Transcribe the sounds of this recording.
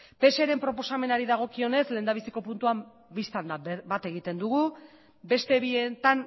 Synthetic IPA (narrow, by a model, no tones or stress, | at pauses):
pe̞seɾe̞mpɾo̞po̞same̞naɾiðaɣ̞o̞kio̞ne̞sle̞ːnd̪aβisiko̞punt̪uam | bist̪and̪abat̪e̞ɣit̪e̞nd̪uɣ̞u | be̞st̪e̞βie̞t̪an